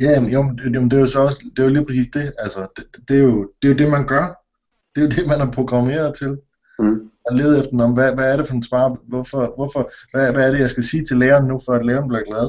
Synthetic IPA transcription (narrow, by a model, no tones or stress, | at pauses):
jæmjomnjomnd̥ejosɒ̽ɒ̽səd̥e̝joliːpʰɐsḭːsd̥e̝ælsɐd̥e̥d̥e̝jo̝d̥e̝jo̝d̥e̝mænɡ̥ɶɐ | d̥e̝jod̥e̝mænæɐpʰʁo̝ɡ̥ʁɑ̈me̝̰ːɐðˠt͡sʰe̝l | ɒle̝ːð̩ˠefd̥ɐnɒm̩ʋæʋæɐɾefɒ̽d̥ensʋɑ̈ːʋɒfɒʋɒfɒ̽ʋæʋæːɐɾe̝jɑ̈ɪsɡ̥æsiːt͡sʰe̝leːɐːnːufɒæd̥leːɐnb̥liɐɡ̥lɛð̩ˠ